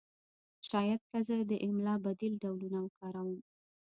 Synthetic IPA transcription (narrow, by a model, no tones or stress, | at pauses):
ʃɑjad̪̚kazəd̪əʔɪmlɑbad̪ilɖawlunawəkɑɾawəm